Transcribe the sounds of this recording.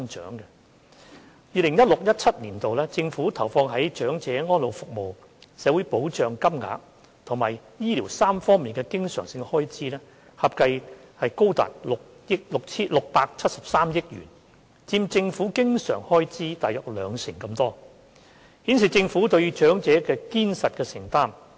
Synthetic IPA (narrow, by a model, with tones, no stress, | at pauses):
ŋt͡ʃœ̰ː˨˥ŋkɛ˧ | jiː˨˧lɪ˨˩ŋjɐ˥t̚lʊ˨k̚jɐ˥t̚t͡sʰɐ˥t̚liː˨˩nt̪o˨wlɛː˥t͡sɪ˧ŋfuː˨˥t̪ʰɐ˨˩wfɔː˧ŋɦɐ˨˥jt͡ʃœː˨˥ŋt͡sɛː˨˥ŋɔː˥nlo˨˧wfʊ˨k̚mo˨w | sɛː˨˧˥wu˨˥jpo˨˥wt͡ʃœː˨˧ŋkɐ˥mŋa̰ː˨˧k̚ | t̪ʰʊ˨˩ŋmaː˨jjiː˥liː˨˩wsaː˥mfɔː˥ŋmiː˨nkɛː˧kɪ˥ŋsœː˨˩ŋsɪ˧ŋhɔː˥jt͡siː˥lɛː˥ | hɐ˨p̚kɐ˧jhɐ˨jko˥wt̪a̰ː˨˩t̚lʊ˨k̚jɪ˥k̚lʊ˨k̚t͡sʰiː˥lʊ˨k̚paː˧k̚t͡sʰɐ˥t̚sɐ˨p̚saː˥mjɪ˥k̚jy̰ː˨˩n | t͡siː˧mt͡sɪ˧ŋfuː˨˥kɪ˥ŋsœ̰ː˨˩ŋhɔː˥jt͡siː˥t̪aː˨jœː˨k̚lœː˨˧ŋsɪ˨˩ŋkɐ˧mt̪ɔː˥ | hi˨˥ns̬i˨t͡sɪ˧ŋfuː˨˥t̪ɵ˧ɥt͡ʃœː˨˥ŋt͡sɛː˨˥kɛː˧kiː˥nsɐ˨t̚kɛː˧sɪ˨˩ŋt̪aː˥m